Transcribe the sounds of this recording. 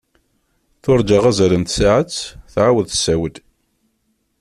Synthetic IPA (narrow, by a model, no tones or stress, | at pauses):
θʊɾˤd͡ʒɑʁæzælənt̪saʕət͡sːθʕawəðθə̥sːæwəd̪